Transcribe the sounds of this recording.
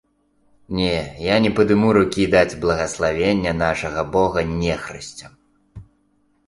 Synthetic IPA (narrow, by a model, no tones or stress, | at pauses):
nʲɛjanʲɛpɐd̪ɨmuɾukʲid̪ad͡zʲblˠɐɣɐslˠavʲenʲːɐn̪aʂɐɣɐbɔɣɐnʲɛxɾɨsʲt͡sʲɐ